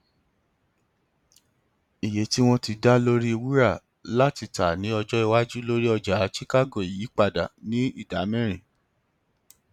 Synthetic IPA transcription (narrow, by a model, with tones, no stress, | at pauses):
i˨je˨˦ti˦w̃ɔ̃˦ti˧da˦lo˦ɾi˦˧wi˦ɾa˦˨ | la˦ti˧ta˨nĩ˨˦ɔ˧d͡ʒɔ˦i˧wa˦d͡ʒu˦lo˦ɾi˦ɔ˧d͡ʒa˨˦t͡ʃi˦ka˦ɡo˨i˨ji˨˦k͡pa˧da̰˨nĩ˦i˦˨da˨˦mɛ̃˦˨ɾ̃ĩ˨